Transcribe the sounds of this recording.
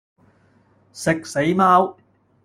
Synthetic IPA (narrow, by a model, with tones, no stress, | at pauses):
sɪ˨k̚se˨˥jmaː˥w